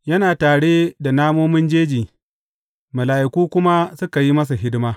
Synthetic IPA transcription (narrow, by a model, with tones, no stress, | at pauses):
jɐ˦naː˨taː˨ɽe˦da˨naː˦moː˦mɪ˦nd͡ʒeː˦d͡ʒiː˨ | mɐ˨laː˨ʔɪ˨kʷuː˦kʷʊ˦ma˦sʊ˦ka˨ji˦mɐ˦s̬a˨ɦɪ˦dɪ˦maː˦